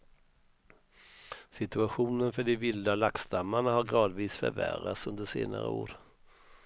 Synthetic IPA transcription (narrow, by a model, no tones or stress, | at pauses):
sɪt̪ɵaɧuːnənfœɖɪvɪld̪alakst̪amːaɳaɦaɾɡɾɑːd̪viːsfœ̰ɾvæ̰ɾa̰t̪sɵnd̪əʂḛːna̰ɾə̰o̰ːɾ